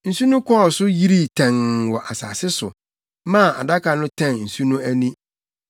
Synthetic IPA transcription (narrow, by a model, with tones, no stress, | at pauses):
n̩˨su˦nũ˦kʰɔ˦˨sʊ˦ji˦ɾi˦tʰɛ̃˨ŋwɔ˨ʔa˨sa̰ː˨sɪ˦sʊ̰˨ | mã˦˨a˨da˦ka˨nʊ̃˦tʰã˦˨nn̩˨su˦nũ˦æ˦nĩ˦